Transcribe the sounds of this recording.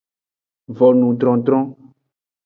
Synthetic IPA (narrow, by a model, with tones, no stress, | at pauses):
vɔ˨nũ˨d̪ɾɔ̃˨d̪ɾɔ̃˦